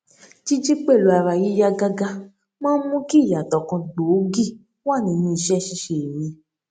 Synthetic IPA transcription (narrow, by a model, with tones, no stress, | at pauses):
t͡ʃi˦d͡ʒi˦k͡pe˦˨lu˨˧a˧ɾa˧ji˨˦ja˦ɡa˦ɡa˦ | mãː˦mũ˦ki˦˨ja˨tɔ˨kɔ̃˧˨ɡ͡bo˨˦ɡi˦˨ | wa˦˨nĩ˨˧˦nĩ˧i˧˨ʃɛ˦˨ʃi˦ʃe˨e˨ɾi˨˧˦